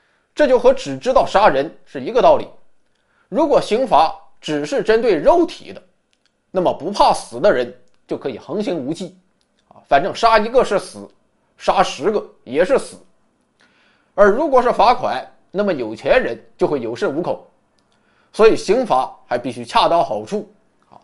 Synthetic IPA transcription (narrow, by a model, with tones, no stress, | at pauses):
ʈ͡ʂɤ˥˧t͡ɕjo˥˩ʊxɤ˧˥ʈ͡ʂɻ̩˨˩ʈ͡ʂɻ̩˥t̪ɑ˥˩ʊʂa˥ɻə˧˥nʂɻ̩˥˩i˧˥ɡə˧t̪ɑ˥˩ʊlḭ˨˩˦ | ɻu˧˥kwɔ˨˩ɕi˧˥ŋfa˧˥ | ʈ͡ʂɻ̩˨˩ʂɻ̩˥˩ʈ͡ʂə˥nt̪we˥˧ɪɻo˥˩ʊt̪ʰḭ˨˩˦d̪ə˦ | na˥˩mə˩pu˧˥pʰa˥˩sɹ̩˨˩d̪ə˦ɻə˧˥n | t͡ɕjo˥˩ʊkʰɤ˧˥i˨˩xɤ˧˥ŋɕi˧˥ŋu˧˥t͡ɕḭ˥˩˧ | fa˨˩nʈ͡ʂɤ˥˩ŋʂa˥i˧˥ɡə˧ʂɻ̩˥˩sɹ̩˨˩˦ | ʂa˥ʂɻ̩˧˥ɡə˧ | jɛ˨˩ʂɻ̩˥˩sɹ̩˨˩˦ | ə˞˧˥ɻu˧˥kwɔ˨˩ʂɻ̩˥˩fa˧˥kʰwa̰˨˩˦ɪ | na˥˩mə˩jo˨˩ʊt͡ɕʰjɛ˧˥nɻə˧˥nt͡ɕjo˥˧xwe˥˩ɪjo˨˩ʊʂə˥˩u˧˥kʰo˨˩˦ʊ | swɔ˧˥i˨˩ɕi˧˥ŋfa˧˥xa˧˥ɪpi˥˩ɕy˧˥t͡ɕʰja˥˧t̪ɑ˥ʊxɑ˨˩ʊʈ͡ʂʰu˥˩ | a̰˧˩